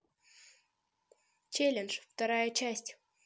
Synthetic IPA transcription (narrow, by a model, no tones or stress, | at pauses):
t͡ɕelʲɪnʂft̪ɐɾajət͡ɕæsʲtʲ